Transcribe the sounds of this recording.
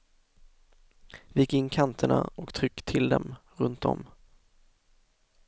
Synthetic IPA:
vajɪkːɪnːkʰant̪ʰəɳaɔkt̪ʰɾʏkːt̪ʰɪld̪ɛmɾɵnt̪ɔ̰m

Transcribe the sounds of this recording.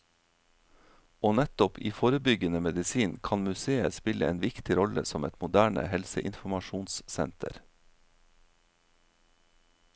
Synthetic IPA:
oːnɛt̪ɔpʰiːfoːɾəbʏɡənəmɛd̪ɪsiːnkʰɑnmʉseːəspɪləḛːnʋɪkt̪ɪɾɔlə̰sɔmɛt̪mʊd̪æːɳə̰hɛlsəʔɪnfmɑʃuːnssɛ̰nt̪ʰə̰ɾ

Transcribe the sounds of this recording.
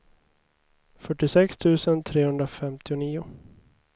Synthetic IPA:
fœʈːɪsɛkst̪ʰʉ̟ːsənt̪ʰɾeːhɵnd̪ɾafɛmt̪ʰɪʊniːʊ

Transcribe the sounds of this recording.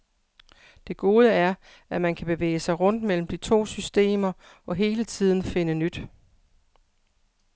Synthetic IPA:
d̥e̝ɡ̥o̝ːð̞ˠəæɐ | æmænkʰæb̥e̝ʋḛːɪəsɑ̈ɪʁɔ̽n̰d̥mel̰m̩d̥it͡sʰo̝̰ːsysd̥e̝̰ːmɐ | ɒ̽ɦe̝ːlət͡sʰið̞̰ˠn̩fe̝nənyd̥

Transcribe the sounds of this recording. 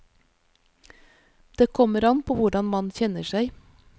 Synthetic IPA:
d̪̥eːkʰɔməɾɑnpʰoːʋʊɖɑnmɑnçɛnəʃæɪ

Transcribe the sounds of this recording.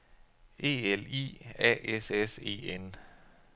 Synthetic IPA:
ʔe̝̰ːelḭːɛ̰ːesese̝̰ːen

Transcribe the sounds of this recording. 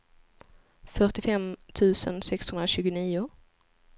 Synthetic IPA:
fœʈɪfɛmt̪ʰʉ̟ːsə̰nsɛkshɵnd̪ɾaɕʉ̟ːɡʊniːʊ

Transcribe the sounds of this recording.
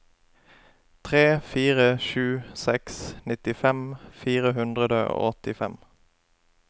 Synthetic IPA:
t̪ʰʁeːfiːʁəʃʉːsɛksnɪt̪ɪfɛmfiːʁəhʉnd̪ʁəd̪əo̰ːɔt̪ɪfɛm

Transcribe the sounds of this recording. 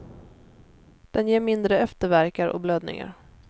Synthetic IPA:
d̪̥ɛnjeːɾmɪnd̪ɾəɛft̪əɾvæɾkaɾɔ̰kbløːd̪nɪ̰ŋa̰ɾ

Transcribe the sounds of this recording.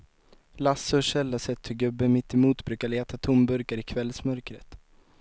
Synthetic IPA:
lasːɵʂɛlːasɛt̪ʰːɵɡɵbːəmɪt̪ʰːɪmuːt̪bɾʉ̟ːkaɭeːt̪at̪ʰʊmbɵɾkaɾɪkʰvɛlsmœɾkɾət̪

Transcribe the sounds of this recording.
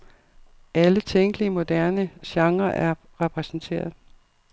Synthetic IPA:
ʔælət͡sʰeŋ̰ɡ̥liəmo̝d̥æɐnəɕɑ̈ŋʁɐʔæɐ | ʁɛpʰʁɛsn̩t͡sʰe̝̰ːɐð̩ˠ

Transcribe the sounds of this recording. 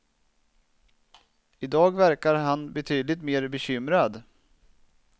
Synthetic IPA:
ɪd̪ɑːɡvæɾkaɾɦanbɛt̪ʰyːd̪lɪt̪meːɾbɛɕʏmɾad̪

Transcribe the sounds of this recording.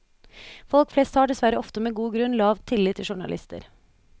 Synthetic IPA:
fɔlkfleːst̪hɑːɖɛsʋæɾəɔft̪əmeːɡuːɡɾʉnlɑːʋt̪ʰɪliːt̪ʰːɪʃʊɳɑ̰lɪ̰st̪ə̰ɾ

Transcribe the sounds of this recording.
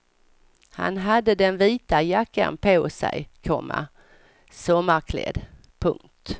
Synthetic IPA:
ha̰nɦad̪ːəd̪ɛnviːt̪ajakːa̰npʰoːsɛ̰jkʰɔmːa̰ | sɔmːaɾkʰlḛːd̪ | pʰɵŋk̚t̪

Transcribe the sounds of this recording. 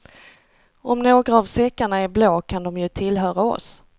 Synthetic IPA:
ɔmnoːɡɾaːvsɛkːaɳaæɾbloːkʰand̪ɔmjɵt̪ʰɪlɦœːɾaɔ̰s

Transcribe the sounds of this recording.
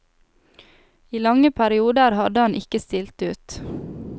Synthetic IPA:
iːlɑŋəpʰæɾɪuːd̪əɾhɑd̪əɑnʔɪkəst̪ɪlt̪ʉːt̪

